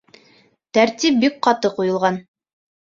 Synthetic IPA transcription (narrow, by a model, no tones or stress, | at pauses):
t̪æɾt̪ip̚bik̚qɑt̪ɤqujɤ̆lˠʁɑn